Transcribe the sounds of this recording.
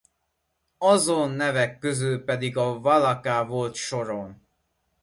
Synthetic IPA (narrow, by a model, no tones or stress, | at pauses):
ɒzonːɛvɛkːøzyːpɛd̪iɡɒvɒlɒkaːvo̞lt̪ʃoɾon